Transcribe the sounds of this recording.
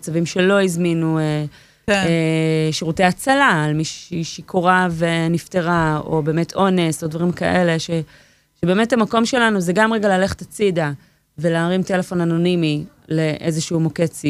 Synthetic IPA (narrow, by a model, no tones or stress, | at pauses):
t͡savimʃelo̞izminue | eʃiʁutejat͡salaːlmiʃiʃikʰoʁavenifteʁao̞̰be̞ːmetʰo̞ne̞sodvaʁimka̰ʔele̞ʃe | ʃebe̞ːmetamako̞mʃe̞lanuzeɡamʁeɡalale̞χe̥tat͡sida | ve̞laːʁimte̞lefo̞nano̞nimi | le̞ʔezeʃumo̞ket͡si